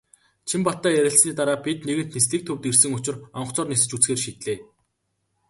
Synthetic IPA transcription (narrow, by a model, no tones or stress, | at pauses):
t͡ɕʰimpɔt̪ːaːjæɾʲɪ̆ɬsniːt̪aɾaːpʲit̪neɣɘ̆nt̪nisɮĭːk̚t̪ʰɵwt̪irsɘ̆ŋʊt͡ɕɪ̆rɔɴχt͡sɔːrnisɘ̆t͡ɕut͡sxeːrʃit̪ɮeː